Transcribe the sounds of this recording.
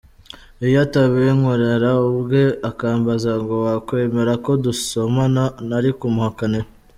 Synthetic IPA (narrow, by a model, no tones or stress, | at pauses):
ijataβeŋoɾeɾaubɡe̞akaːmbazaŋɡowakwe̞ːme̞ɾako̞duso̞mananaɾikumuhakane̞